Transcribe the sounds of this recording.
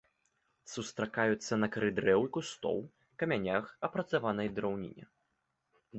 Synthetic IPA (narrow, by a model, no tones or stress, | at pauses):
sust̪ɾakajut̪sːɐnɐkɐɾɨd̪ɾɛwkust̪ɔ̰wˠ | kɐmʲanʲaxɐpɾɐt̪savanɐjd̪ɾawnʲḭnʲɛ̰